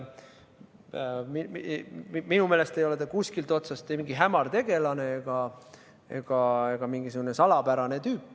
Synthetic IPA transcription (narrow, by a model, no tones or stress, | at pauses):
mi | minume̞ːle̞st̪ejo̞let̪ekuskilt̪ˑo̞t̪sɑst̪ːemiŋɡiɦæmɑrt̪e̞ɡ̥e̞lɑne̞eɡ̥ɑ | e̞̰ɡ̥ɑeɡ̥ɑmiŋɡiseɡ̥une̞sɑlɑpæɾɑne̞t̪yːpːˑ